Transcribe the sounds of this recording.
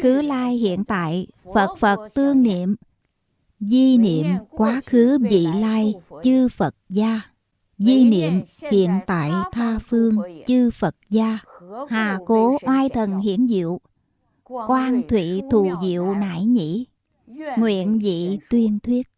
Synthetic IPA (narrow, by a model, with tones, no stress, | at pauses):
xɨ˨˦laː˧jhḭ˧˨ənt̪a̰ː˧˨j | fə˨˩t̚fə˨˩t̚t̪ɨ˧əŋnḭ˧˨əm | zi˧nḭ˧˨əmkwaː˨˦xɨ˨˦vḭ˧˨laː˧jt͡ɕɨ˧fə˨˩t̚zaː˧ | zi˧nḭ˧˨əmhḭ˧˨ənt̪a̰ː˧˨jt̪ʰaː˧fɨ˧əŋt͡ɕɨ˧fə˨˩t̚zaː˧haː˨˩ko˨˦ʔwaː˧jt̪ʰə˨˩nhḭ˧˥ənzḭ˧˨əw | kwaː˧ŋt̪ʰwḭ˧˨t̪ʰu˧˨˩zḭ˧˨əwna̰ː˧˩jɲḭ˧˥ | ŋwḭ˧˨ənzḭ˧˨t̪wi˧ənt̪ʰwi˦˥ət̚